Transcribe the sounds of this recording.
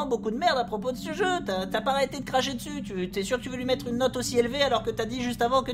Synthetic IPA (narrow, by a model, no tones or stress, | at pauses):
ɑ̃bokud̪əmɛʁd̪apχɔpod̪əsəʒøyat̪yapaʁet̪ed̪əkχaʃed̪əsyt̪yt̪yɛsyʁkət̪yvølɥimɛt̪χynːɔt̪osielvealɔʁkət̪yad̪iʒyst̪avɑ̃kə